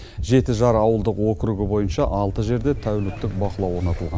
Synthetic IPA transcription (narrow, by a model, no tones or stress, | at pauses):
ʒe̞t̪ɪʒɑɾɑwəlˠd̪əqwo̞kʲɾuɡʲɪbo̞jənʃɑʔɑlˠt̪əʒe̞ɾd̪e̞t̪ʰæwlɪk̚t̪ːɪk̚bɑqəlˠɑwo̞ɾnɑt̪əlˠʁɑn